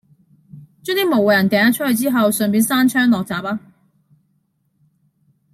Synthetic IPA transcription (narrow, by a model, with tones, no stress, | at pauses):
t͡ʃœː˥ŋt̪iː˥mo˨˩wjɐ˨˩nkɛː˨˧˥nɐ˥tt͡ʃʰɵ˥t̚hɵ˧ɥt͡siː˥ɦɐ˨wsœ˨˩ŋp̬iː˨˥nsaː˥nt͡ʃʰœː˥ŋlɔː˨k̚t͡saː˨˩p̚aː˥